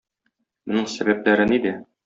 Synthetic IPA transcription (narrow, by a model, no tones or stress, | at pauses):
mŏnɤɴsæbæplæɾɘnid̪æ